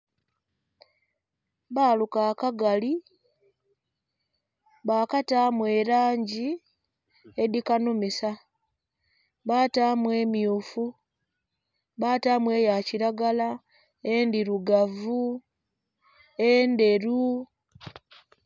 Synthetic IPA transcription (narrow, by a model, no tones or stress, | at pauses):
βaːlukaːkaɡali | βaːkataːmwe̞ɾaːɲɟi | edikanumisa | βaːtaːmwe̞ːmjuːfu | βaːtaːmwe̞ːjaciɾaɡala | endiɾuɡavu | ende̞ɾu